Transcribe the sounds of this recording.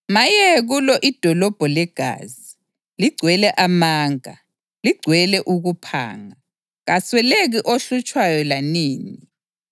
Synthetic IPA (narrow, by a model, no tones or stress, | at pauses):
majɛɣulɔʔid̥ʱɔlɔb̥ʱɔlɛɡ̥ʱa̰ːzi | liɡ͡ǀʱwɛlɛʔamaːŋa̰ | liɡ͡ǀʱwɛlɛʔuɣupʰa̰ːŋa | ɣaswɛleɣiʔoɬut͡ʃʼwajɔlaniːni